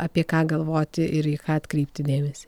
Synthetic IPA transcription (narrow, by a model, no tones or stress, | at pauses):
ʔɑːpʲiɛkɑːɡɐlˠʋoːt̪ʲɪʔɪɾikɑːɐt̪ʲkɾʲiːpʲt̪ʲɪd̪ʲeːmʲɛsʲi̥ː